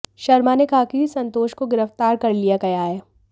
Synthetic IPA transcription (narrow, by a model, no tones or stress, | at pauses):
ʃɐɾmanekaɦkiisɐ̃nt̪oːʃkoɡɪɾəft̪aːɾkɐɾlijakɐjaːeː